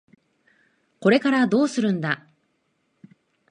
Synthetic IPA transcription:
ko̞ɾe̞kaɾad̪o̞ːsɨɾɯ̟̃nd̪a

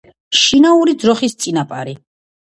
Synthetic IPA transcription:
ʃinauɾid̪zɾɔχist̪sʼinapʼaɾi

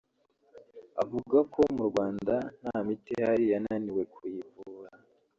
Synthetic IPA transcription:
a̰vuɡakʰo̞muɾɡwaːndan̥hamitehaɾijananiwe̞kuivuɾa

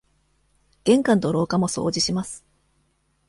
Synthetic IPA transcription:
ɡ̥ẽ̞ŋkãnt̪o̞ɾo̞ːkamo̞so̞̰ːd͡ʑiɕimasɨ̥

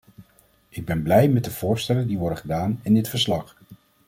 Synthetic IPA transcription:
ʔɪɡ̚bɛnblɛjmɛd̚dəv̥ʊːɹstɛlədiʋɔɹdəχədaːnɪndɪtfəɹslɑχ

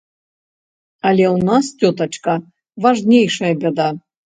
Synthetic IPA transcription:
ɐlʲɛwnastʲɔt̪ɐt͡ʂkɐ | vaʐnʲejʂɐjɐbʲɛd̪a

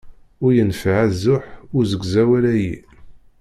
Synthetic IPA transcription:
ʊɾjənfʕæzːʊħʊɾzəɡzæwælæji

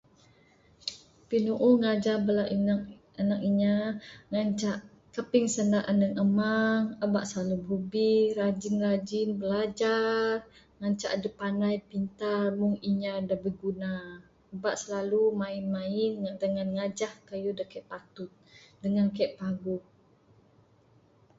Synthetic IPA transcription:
pinuʔuŋad͡ʒahbəlaʔia | anak̚iɲaŋaɲt͡ʃaʔ | kəpɪŋsənaʔanəŋəmaŋəbaʔsəlalububirad͡ʒinrad͡ʒinbəlad͡ʒar | ŋaɲt͡ʃa̰ʔdəpanajpint̪armʊŋiɲadabəɡuna | əbaʔsəlalumainmaɪndəŋanŋad͡ʒahkəjudakɛʔpat̪ʊt̪̚dəŋankɛʔpaɡuʔ̚

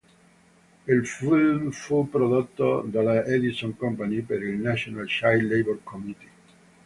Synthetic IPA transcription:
ilfilmfupːɾod̪ot̪ːod̪alːaed̪isoŋkɔmpanipeɾilnat͡ʃonalʃajlejboɾkʰomit̪i̥

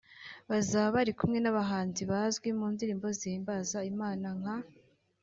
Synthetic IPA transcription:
βazaːβaβaɾikumŋe̞naβaɦaːnziβazɡwimuːndiɾiːmbo̞zimbazaimaːnaŋ̥ha

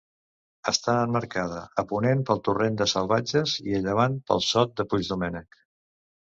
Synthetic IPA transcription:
əst̪aənməɾkaðəəpunempəlˠt̪urend̪əsəlˠβad͡ʒəziəʎəβ̞anpə̰lˠsɔt̪̚d̪əpud͡ʒðumɛnək

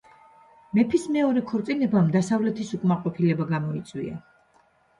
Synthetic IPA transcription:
mɛpʰismɛɔɾɛkʰɔɾt̪sʼinɛbamd̪asavlɛt̪ʰisukʼmaqʼɔpʰilɛbaɡamɔit̪sʼwḭa̰

